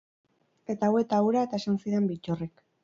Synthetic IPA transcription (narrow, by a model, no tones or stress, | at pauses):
e̞t̪aːwe̞t̪auɾae̞t̪ae̞sansiɾe̞mbit͡ʃorek